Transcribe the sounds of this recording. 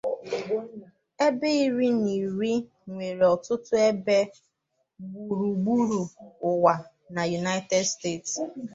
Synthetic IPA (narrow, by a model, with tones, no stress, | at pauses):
e˦be˦i˦ɾi˦ni˨ɾi˦ | ŋʷe˨ɾe˨ɔ˨tʊ˦tʊ˦e˦be˦ | ɡ͡bu˨ɾu˨ɡ͡bu˦ɾu˨ʊ˨wa˨ | na˨ju˨na˦ɪ˦tɛ˦dste˦˨ts